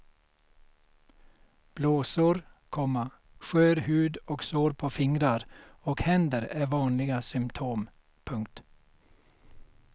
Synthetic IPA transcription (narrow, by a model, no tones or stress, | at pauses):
b̥loːsuːɾkʰɔmɑ | ʃøːɾhʉːd̪oːɡsoːɾpʰoːfɪŋɾɑɾoːɡhɛnd̪əɾeːʋɑːnlɪɡəsʏmt̪ʰuːm | pʰʉŋkt̪